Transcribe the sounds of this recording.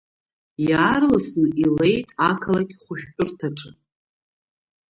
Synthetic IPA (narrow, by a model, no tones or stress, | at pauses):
jaːrlaslile̞jtʼakʰalakʲχʷʊʃᶣpʼʊrtʰaʈ͡ʂʼɨ